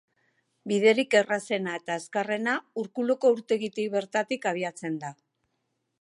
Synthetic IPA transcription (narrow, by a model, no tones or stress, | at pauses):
biðe̞ɾike̞rase̞nae̞t̪aeskare̞nauɾkuloko̞uɾt̪e̞ɣit̪iβe̞ɾt̪at̪ikaβ̞iat͡se̞nd̪a